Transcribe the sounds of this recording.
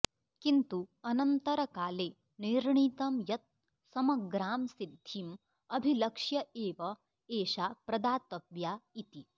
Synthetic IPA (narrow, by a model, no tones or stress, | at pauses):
kint̪uɐnɐnt̪ɐɾɐkaːleː | niɾɳiːt̪ɐmjɐt̪̚ | sɐmɐɡɾaːmsid̪ʱːim | ɐbʱilɐkʂjɐeːʋɐ | eːʃaːpɾɐd̪aːt̪ɐbjait̪i